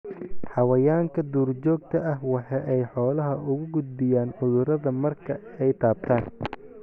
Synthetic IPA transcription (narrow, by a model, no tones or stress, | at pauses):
ħɑwɐjaːŋkʰɐd̪uːrt͡ʃɔːɡ̚t̪ʰɐʔɐhwɑħɑːʔɛjħɔːlɐɦɐʔʊɣʊɡʊd̪̚bɪjaːnʊðʊɾɐðɐmɐrkʰɐɛjt̪ʰaːb̚t̪ʰaːn